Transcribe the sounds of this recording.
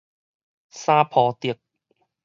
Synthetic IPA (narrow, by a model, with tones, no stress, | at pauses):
saː˥pʰɔː˨˧t̪i˨˩ək̚